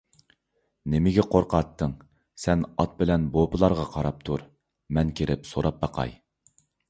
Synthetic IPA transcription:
nɪmɪɡʲɛqʰoɾqʰɑt̪ːəŋ | sɛnɑt̪̚bɪlɛnbopɨlˠɑɾʁɑqʰɑɾɑp̚t̪ʰuɾ | mɛnkʲʰeɾʔɪpsoɾɑp̚bɑqʰɑ̰j

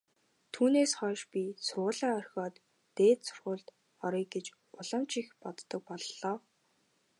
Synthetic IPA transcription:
t̪ʰuːneːsχœːʃpʲisʊrʁʊːɮaːœrʲxʲɔːt̪ː | eːt̪sʊ̥rʁʊːɮt̪ | ɔɾiːk̚ɡet͡ɕ | ʊɮə̆mt͡ɕixpɔt̪ːə̆k̚pɔɮːɔː

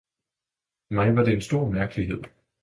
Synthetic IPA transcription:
mɑ̈ɪʋɑ̈d̥e̝ensd̥o̝ɐ̰mæɐɡ̥əliɦe̝ð̞̰ˠ

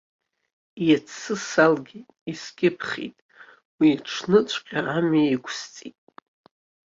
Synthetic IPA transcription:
jat͡sʰːɨsalɡʲejtʼiskʲʼɪpʰχʲḭtʼ | wiːʈ͡ʂʰnɨt͡ʃʷʰʼqʲʼaamaiɡʷʰʼst͡sʼitʼ

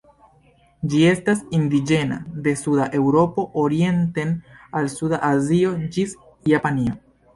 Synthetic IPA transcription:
d͡ʒie̞stasindid͡ʒe̞na̰de̞sudaʔe̞wɾo̞po̞ʔoɾie̞nte̞nalsudaʔazio̞d͡ʒis | japanio̞

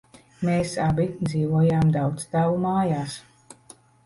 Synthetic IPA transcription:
meːsabid̪ziːvuɔjaːmd̪awt̪st̪avumaːjaːs

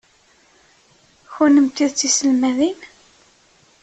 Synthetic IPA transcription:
xunəmt̪ːiðt͡sːisəlmæðin

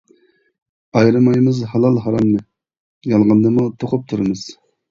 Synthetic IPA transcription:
ɑjɾɨmɑjmɨzhɑlˠɑlˠɦɑɾɑmːɨ | jɑlˠʁɑnd̪ɨmut̪ʰoqʰʊp̚t̪ʰuɾɨmɨz̥

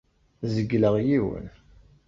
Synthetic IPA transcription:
zəɡləʁjiwə̰n

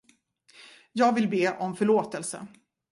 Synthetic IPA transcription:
jɑːɡvɪlbeːʔɔmfœɭoːt̪ɛlsə̰

